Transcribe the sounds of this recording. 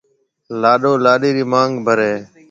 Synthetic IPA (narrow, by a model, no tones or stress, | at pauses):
laːɗoːlaːɗiːɾiːmaːŋɡbʱəɾeː